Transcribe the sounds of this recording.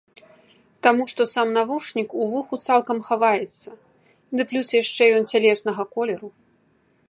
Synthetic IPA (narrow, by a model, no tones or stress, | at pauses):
t̪amuʂt̪ɔsamnavuʂnʲikuvuxut̪salˠkɐmxavajɛt̪sːɐ | d̪ɨplʲusjaʂt͡ʂɛjɔnt͡sʲalʲɛsnɐɣɐkɔlʲɛɾu